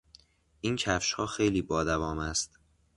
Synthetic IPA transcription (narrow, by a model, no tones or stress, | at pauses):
ʔiːncʰæfʃhɒːxejliːbɒːd̪ævɒːmæst̪